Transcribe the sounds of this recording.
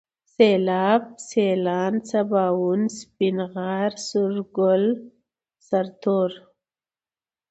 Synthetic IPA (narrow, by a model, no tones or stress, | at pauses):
selɑːb̚selɑːnt͡sabɑːwunspinɣɑːɾsuɾɡʊl | saɾt̪oɾ